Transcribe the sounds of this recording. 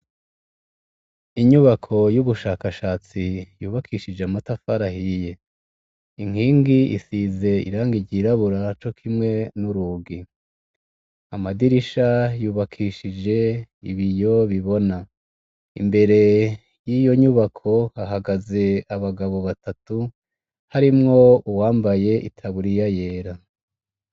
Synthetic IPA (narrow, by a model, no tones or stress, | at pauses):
iɲuβakʰo̞juβuʃaːkaʃaːt͡sijuːβakʰiʃid͡ʒeamatafaɾahije̞ | iŋ̥iːŋɡiʔḭsize̞ḭɾaːŋɡiɟɟiɾaβuɾat͡ʃo̞kʰimŋe̞nuɾuɡi | amadiɾiʃajuːβakʰiʃid͡ʒe̞ḭβijo̞βiβo̞na | ḭmbe̞ɾe̞ | jiːjo̞ɲuβakʰo̞haɦaɡaze̞aβaɡaβo̞βatatu | haɾimŋo̞uwaːmbaje̞ʔitʰaβuɾijaje̞ːɾa